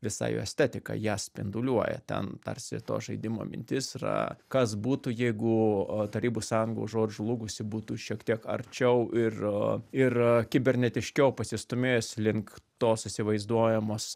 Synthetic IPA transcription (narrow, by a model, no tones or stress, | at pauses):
ʋʲɪsɑ̰ɪjo̰ːɛsʲt̪ʲæt̪ʲɪkɐ̰jæːsʲpʲɪ̰nd̪ʊlʲuɔjɛ̰t̪ʲɛ̰nt̪ɐ̰rʲsʲɪ̰t̪o̰ːʒɐɪd̪ʲɪmo̰ːmʲɪ̰nʲt̪ʲɪsrɐ̰kɐsbuːt̪ujɛɪɡʊt̪ɐɾʲiːbussɑːjʊŋɡo̰ːʒoːd͡ʒʲulˠʊɡʊsʲɪbuːt̪uʃʲiɛkt̪ʲiɛkɐ̰rʲt͡ʃʲɛʊʔɪrɪrkʲɪbʲɛɾʲnʲɛt̪ʲɪʃʲkʲɛʊpɐsʲɪst̪ʊmʲeːjoːsʲlʲɪŋkt̪oːsɪsʲɪʋɐɪzd̪uɔjɛmoːs